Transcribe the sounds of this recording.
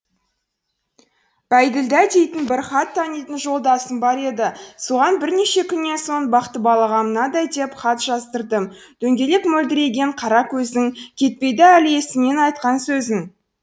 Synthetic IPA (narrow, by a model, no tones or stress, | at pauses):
b̥æjd̪ɪld̪æd̪e̞jt̪ɪnbɪɾχɑt̪ʰːɑnijt̪ənʒo̞lˠd̪ɑsənbɑɾe̞d̪ɪsuʁɑnbɪɾne̞ʃe̞kʲʰʏnːe̞so̞nbɑqt̪əbɑlˠɑʁɑmənɑd̪ɑjd̪e̞pχɑt̪ʒ̥ɑzt̪əɾd̪əmd̪̥ɵŋɡʲe̞le̞kmɵld̪ɪɾe̞ɡʲe̞ɴqʰɑɾɑkʲʰɵzɪnɪŋkʲʰe̞t̪̚pe̞jd̪ɪælɪe̞sɪne̞nɑjt̪̚qɑnsɵzɪn